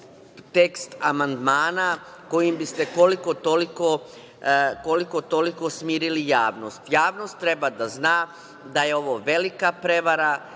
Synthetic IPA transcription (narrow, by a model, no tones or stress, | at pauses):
t̪e̞kst̪amand̪maːna | ko̞jimbist̪e̞ko̞liko̞t̪o̞liko | ko̞liko̞t̪o̞liko̞smiːɾilijaːʋno̞st̪jaːʋno̞st̪ːɾe̞bad̪aznaː | d̪aje̞o̞ʋo̞ʋe̞likapɾe̞ʋaɾa